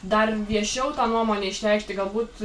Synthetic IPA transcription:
d̪ɐrʋʲiɛʃʲɛʊt̪ɑːnuɔmoːnʲɛːɪʃʲlʲɛɪkʃʲt̪ʲɪɡɐlˠbuːt̪

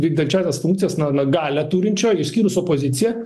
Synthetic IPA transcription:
ʋʲiːɡd̪ʲɐnʲt͡ʃʲæːsʲɛsfuŋkt̪sʲɪjɛsnɐnɐɡɑːlʲæt̪uːɾʲɪnʲt͡ʃʲoːjɪsʲkʲiːɾʊsoːpozʲɪt̪sʲɪjɛ

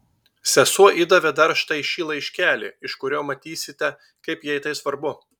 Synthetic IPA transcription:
sʲɛsuɔʔɪd̪ɐʋʲɛd̪ɐɾʃt̪ɐɪʃʲiːlˠɐɪʃʲkʲæːlʲɪ̰ːɪʃkʊɾʲoːmɐt̪ʲiːsʲɪt̪ʲɛ | kɐɪpjiɛɪt̪ɐɪsʋɐɾbʊ

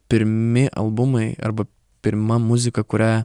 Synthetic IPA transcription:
pʲɪɾʲmʲɪʔɐ̰lˠbʊmɐɪɐ̰ɾbɐ | pʲɪɾʲmɐmuzʲɪkɐkʊɾʲæ

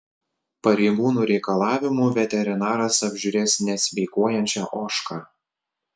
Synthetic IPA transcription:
pɐɾʲɛɪɡuːnuːɾʲɛɪkɐlˠɑːʋʲɪmuːʋʲɛt̪ʲɛɾʲɪnɑːɾɐsɐbʲʒʲʊɾʲeːsʲnʲɛsʲʋʲɛɪkuɔjɛnʲt͡ʃʲɛʔoːʃkɑː

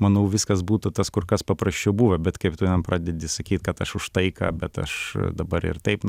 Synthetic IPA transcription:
mɐnɐʊʋʲɪskɐs̬buːt̪ʊt̪ɐskʊrkɐspɐpɾɐsʲt͡ʃʲɛʊbuːʋɐbʲɛt̪kɐɪpt̪unʲɛmpɾɑːd̪ʲɛd̪ʲɪsɐkʲiːt̪ʲkɐt̪ɐʃʊʃt̪ɐɪkɐ̰ːbʲɛt̪ɐ̰ʃd̪ɐbɐɾɪ̰rt̪ɛɪp

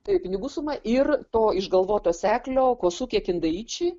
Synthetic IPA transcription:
t̪ɐɪp̚ʲɪnʲɪɡuːsʊmɐʔɪrt̪oːɪʒɡɐlˠʋoːt̪oːsʲæːklʲoːkoːsuːkʲiɛkʲɪnd̪ɐiːt͡ʃʲɪ

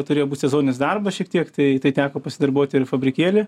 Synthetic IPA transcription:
t̪ʊɾeːjobuːtʲsʲɛzoːnʲnʲɪsd̪ɐrbɐʃʲiɛk̚t̪ʲiɛkt̪ɐɪt̪ɐɪt̪ʲæːkoːpɐsʲɪd̪ɐrboːt̪ʲɪrfɐbʲɾʲɪkʲeːlʲɪ

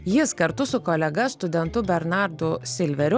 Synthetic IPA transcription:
jɪskɐɾt̪ʊsʊkoːlʲɛɡɐst̪ʊd̪ʲɛnt̪ʊbʲɛɾnɑɾd̪ʊsʲɪlʲʋʲɛɾʲʊ

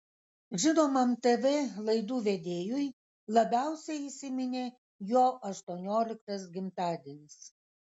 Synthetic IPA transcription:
ʒʲɪnoːmɐmt̪eʋʲeːlˠɐɪd̪uːʋʲed̪ʲeːjʊj | lˠɐbʲæˑʊsʲɛɪisʲɪmʲɪnʲeː | joːʔɐʃt̪uɔnʲoːlʲɪkt̪ɐs̬ɡʲɪmt̪ɑːd̪ʲeːnʲɪs

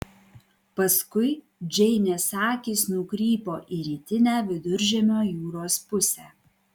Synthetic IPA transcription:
pɐskʊɪ | d͡ʒʲɛɪnʲɛsɑːkʲiːsnʊkɾʲiːpoːʔiɾʲiːt̪ʲɪnʲæːʋʲɪd̪ʊɾʲʒʲɛmʲoːjuːɾoːspʊsʲæː

